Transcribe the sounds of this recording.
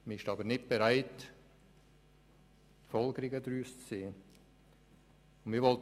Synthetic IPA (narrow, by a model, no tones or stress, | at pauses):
miɪʃtɑːbənɪt̚b̥eɾaɪt | fɔlɡəɾɪɡədɾyːst͡sseːə | ʊnmiːvɔlt